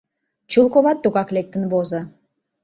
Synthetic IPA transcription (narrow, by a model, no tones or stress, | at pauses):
t͡ɕulˠkoβɑt̪ːuɣɑklek̚t̪ə̆nβozə̆